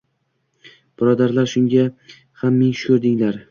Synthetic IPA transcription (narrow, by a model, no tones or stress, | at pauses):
b̥ɪɾɒd̪aɾlaɾʃʊŋɡʲa | hamːɪŋʃʊ̥kʰɵɾd̪ɪŋlaɾ